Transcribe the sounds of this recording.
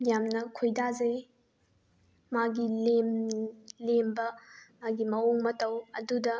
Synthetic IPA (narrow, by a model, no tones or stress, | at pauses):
jamnɐkʰojdazɐj | maɡilem | lembɐmaɡimɐoŋmɐtɐwɐdudɐ